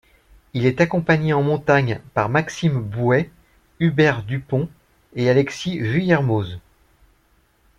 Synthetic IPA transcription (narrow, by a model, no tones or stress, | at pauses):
ilɛt̪akɔ̃paɲeɑ̃mɔ̃t̪aɲpaʁmaksimbwɛ | ybɛʁd̪ypɔ̃ | ealɛksiʒyjɛʁmoz